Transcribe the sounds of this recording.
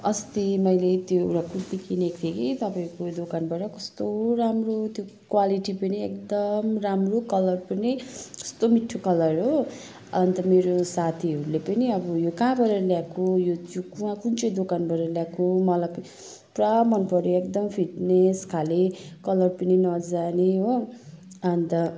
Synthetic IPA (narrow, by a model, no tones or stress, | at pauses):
ʌst̪imʌjlet̪joɾakut̪ikʰinekt̪ʰeket̪ʌpaĩkod̪okanbʌɾʌkʌst̪oɾamrot̪jokwaliʈipʌniekd̪ʌmramrokʌlʌrpunekʌ̥st̪omiʈʰːokʌlʌrɦo | ʌnt̪ʌmeɾosat̪ʰiɦʌɾulepʌniʌbʌjokãbʌɾeɾljakojot̪jokuwãkunt͡sʌd̪okanbʌɾeɾljakomʌlaj | pramʌnpʌɾjoekd̪ʌmpʰiʈneskʰalekʌlʌrpʌninʌd͡zaneɦo | ʌnt̪ʌ